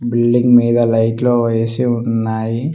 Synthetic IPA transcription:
bilɖiŋɡmiːd̪ɐlɐjʈloːʋɐjesiunːaːji

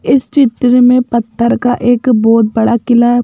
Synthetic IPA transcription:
ɪst͡ʃɪt̪ɾmẽpɐt̪ʰːəɾkaʔeːkbɔːt̪̚bɐɽakɪla

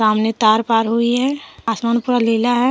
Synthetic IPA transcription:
ɾaːmnet̪aːɾpaːɾɦuiɦɛaːsmaːnpuɾalilaɦɛ

